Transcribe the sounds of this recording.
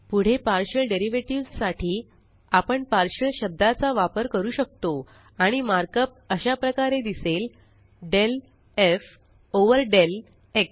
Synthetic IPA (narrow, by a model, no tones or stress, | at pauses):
puɽ̤epaɾɕəɭɖeɾiʋeʈiʋd͡zsaʈʰiː | apəɳpaɾɕəɭɕəb̚d̪ʱat͡saʋapəɾkəɾuːɕək̚t̪o | aɽ̃imaɾkəp̚əɕapɾəkaɾed̪isel | ɖel | ef | oʋəɾɖel | ek